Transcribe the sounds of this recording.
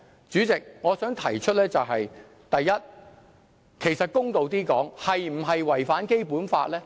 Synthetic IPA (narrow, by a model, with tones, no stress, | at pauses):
t͡syː˨˥t͡sɪ˨k̚ŋɔː˨˧sœː˨˥ŋt̪ʰɐ˨˩jt͡ʃʰɵ˥t̚lɛː˥t͡sɐ˨wɦɐ˨j | t̪ɐ˨jːɐ˥t̚ | kʰe˨˩jsɐ˨t̚kʊ˥ŋt̪o˨wt̪iː˥kɔː˨˥ŋhɐ˨jm̩˨˩ɦɐ˨jwɐ˨˩jfaː˨˥nke˥jpuː˨˥nfa̰ː˧t̚lɛː˥